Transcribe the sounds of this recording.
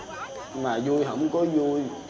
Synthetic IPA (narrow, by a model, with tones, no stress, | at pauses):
maː˨˩zu˧jɦə̰˧˥wŋ͡mkɔ˨˦zu˧j